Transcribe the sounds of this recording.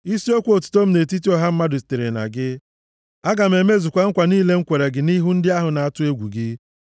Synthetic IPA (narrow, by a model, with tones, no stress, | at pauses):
i˦si˦o˦kʷo˨tʊ̥˨to˦m̩˦ne˨ti˦ti˦ɔ˦ɦa˦m̩˦ma˦dʊ˨si̥˨te˨ɾe˨na̰˨ɡɪ˦ | a˦ɡa˨m̩˨e˨me˦zu˨kʷa˨ŋ̩˦kʷa˨niː˦le˦ŋ̩˦kʷe˨ɾe˨ɡɪ˨ni˦ɦu˦n̩˦dɪ˦a˦ɦʊ˨na˨a˦tʊ˦e˦ɡʷṵ˨ɡɪ˦